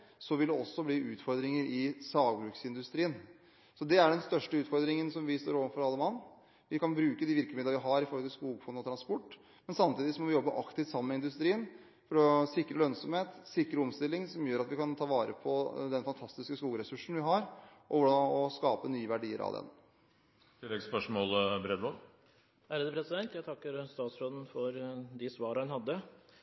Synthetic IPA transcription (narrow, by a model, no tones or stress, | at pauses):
sɔʋɪld̪ɛɔsːɔbliːʔʉːt̪fɔɾd̪ɾɪŋəɾʔɪsɑːɡbɾʉːksɪnd̪ʉst̪ɾiːən | sɔd̪ɛæɖɛnst̪œʂʈəʉːt̪fɔɾd̪ɾɪŋənsɔmʋɪst̪o̰ːɾɔʋənfɔɾɑlːəmɑnː | ʋɪkɑnbɾʉːkəd̪iʋɪɾkəmɪd̪əʋɪɦɑɾɪfɔɾhɔlt̪ʰɪlskuːɡfɔnɔt̪ɾɑnspɔʈː | mɛnsɑmt̪ʰiːd̪ɪsɔmɔʋɪjɔbːəʔɑkt̪ʰɪft̪sɑmənmɛɪnd̪ʉst̪ɾiːən | fɔɾɔsɪkɾəlœnsɔmheːt̪sɪkɾəɔmst̪ɪlːɪŋsɔmjøːɾɑt̪ʋɪkɑnt̪ʰɑːʋɑːɾə̰pʰɔd̪ɛnfɑnt̪ʰɑst̪ɪskəskuːɡəɾɛsʉʂɳ̩ʋɪɦɑɾʔɔ̰ʋʊdɑɔskɑːpənyːəʋæɖiːə̰ɾɑ̰ʋd̪ɛ̰n | t̪ʰɪlːɛɡspœʂmɔːlbɾɛd̪ʋɔɾ | hæɾəd̪əpʰɾɛsɪd̪ɛnt̪jæt̪ʰɑkːəɾst̪ɑːt̪sɾɔd̪n̩fɔɾd̪ɪsʋɑːɾəhɑnhɑd̪ːə